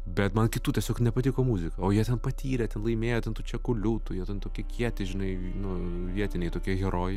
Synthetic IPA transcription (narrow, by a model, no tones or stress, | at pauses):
bʲɛt̪mɐnkʲɪt̪uːtʲiɛsʲoːknʲɛpɐt̪ʲiːkoːmuːzʲɪkɐoːjiɛt̪ʲɛnpɐt̪ʲʰiːɾʲɛt̪ʲɛnlˠɐɪmʲeːjoːt̪ʲɛnt̪uːt͡ʃʲɛkʊlʲuːt̪ujiɛt̪ʲɛnt̪oːkʲikʲʰiɛt̪ʲɪʒʲɪnɐɪ | nʊ | ʋʲiɛt̪ʲɪnʲɛɪt̪oːkʲiɛɣʲɛɾoːj